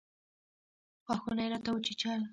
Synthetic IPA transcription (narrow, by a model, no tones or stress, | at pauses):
xwaxunajɾat̪awut͡ʃit͡ʃal